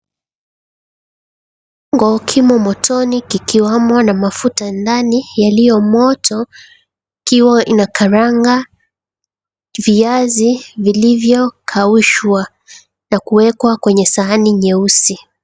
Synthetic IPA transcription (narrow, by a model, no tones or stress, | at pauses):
ɔŋɡɔkʰimɔmɔtʰɔnikikiwamwanamafutandanijalijɔmɔtʰɔ | ikiwaʔinakʰaɾaŋɡa | viazivilivjɔkʰauʃwa | nakuwɛkwakwɛɲɛsaːniɲɛusi